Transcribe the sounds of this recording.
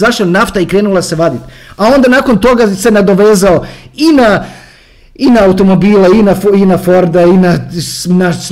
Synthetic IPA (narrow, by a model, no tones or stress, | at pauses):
zaʃanaft̪aikɾeːnulase̞ʋad̪it̪ao̞nd̪anaːko̞nt̪o̞ɡase̞nad̪o̞ʋeːzaoina | inaːut̪o̞mo̞biːleinafinafo̞ɾd̪ainanas